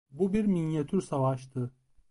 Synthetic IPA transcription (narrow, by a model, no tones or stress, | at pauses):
bubiɾminjat̪ʰyɾsavaʃt̪ʰɯ